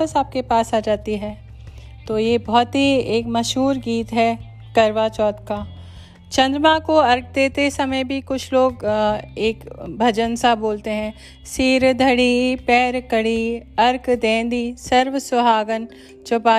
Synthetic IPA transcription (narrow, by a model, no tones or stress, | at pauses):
əsaːp̚kepaːsaːd͡ʒaːt̪iɦɛː | t̪oːjebɔːt̪ɦieːkmɐʃɦuːɾɡiːt̪ɦɛː | kɐɾʋat͡ʃɔːt̪kaː | t͡ʃɐ̃nd̪ɾmãkoɐɾk̚d̪eːt̪esɐməjbʱikʊt͡ʃʰloːɡeːkbʱɐd͡ʒənsaboːlt̪eɦɛ̃ː | siːɾd̪ʱəɽipɛːɾkəɽiɐɾkd̪ẽːnd̪isɐɾʋsʊbʱaːɡən | t͡ʃʊpaː